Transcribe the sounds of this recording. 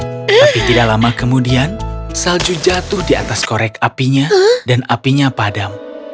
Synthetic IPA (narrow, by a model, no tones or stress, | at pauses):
t̪apit̪idaʔlamakəmudiansald͡ʒud͡ʒat̪ʊhdia̰t̪askoɾɛkapiɲadanapiɲapadam